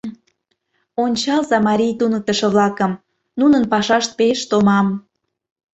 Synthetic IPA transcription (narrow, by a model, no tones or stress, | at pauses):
onʲt͡ɕɑlzɑmɑɾʲijt̪unə̆k̚t̪ə̆ʃə̆βlɑkəm | nunənpɑʃɑʃt̪̚peʃt̪omɑm